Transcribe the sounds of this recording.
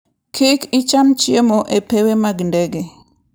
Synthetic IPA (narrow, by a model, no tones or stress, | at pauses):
kʰikɪt͡ʃamt͡ʃiemoʔepewemaɡndɛɡe